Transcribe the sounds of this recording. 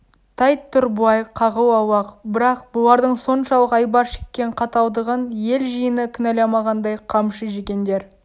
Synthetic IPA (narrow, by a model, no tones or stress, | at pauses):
t̪ʰɑjt̪ʰːʊɾbʊɑjqʰɑʁəwɑwɑqbɪɾɑqbʊlˠɑɾd̪əɴso̞nʃɑlˠəqɑjbɑɾʃekʲːe̞ɴqʰɑt̪ɑw̪ˠd̪əʁənje̞lʒəjənəkʲʰʏnælemɑʁɑnd̪ɑjqʰɑmʃəʒekʲe̞nd̪e̞ɾ